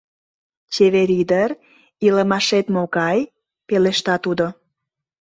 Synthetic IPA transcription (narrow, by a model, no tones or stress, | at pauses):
t͡ɕeβeɾid̪əɾ | iləmɑʃet̪mokɑj | peleʃt̪ɑt̪ud̪o